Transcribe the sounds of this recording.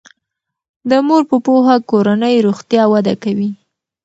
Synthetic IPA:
d̪əmoɾpəpoɦakoɾanəjɾoxt̪jɑwad̪akawi

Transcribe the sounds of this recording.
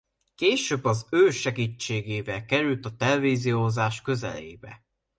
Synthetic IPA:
keːʃøːbːɒzøːʃɛɡiːt͡ʃːeːɡeːvɛlkɛɾylt̪ɒt̪ɛlɛviːzijoːzaːʃkø̞zɛ̰lḛːbɛ̰

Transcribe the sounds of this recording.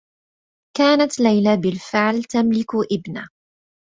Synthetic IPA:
kaːnat̪lajlabɪlfɪʕlt̪amlɪkʔɪbna

